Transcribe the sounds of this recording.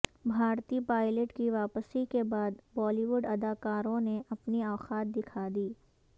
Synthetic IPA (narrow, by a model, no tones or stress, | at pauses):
bʱaːɾt̪ipaːɪləʈkiʋaːpəsikebaːd̪bɔːliʋʊɖɐd̪aːkaːɾõneʔɐpniaːxaːt̪̚d̪ɪkʰaːd̪iː